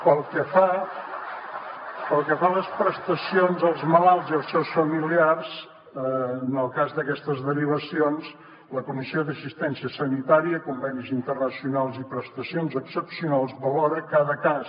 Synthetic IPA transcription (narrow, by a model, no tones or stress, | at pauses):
pəlˠkəfa | pəlˠkəfaləspɾəst̪əsionzəlˠzməlalˠziəlˠsɛwsfəmiliarz | nəlˠkazðəkɛst̪əzðəɾiβ̞əsions | ləkumisioðəsist̪ɛnsiəsənit̪aɾiəkumbɛnizint̪ərnəsiunalˠzipɾəst̪əsionzəksəpsiunalˠzβəlɔɾəkaðəkas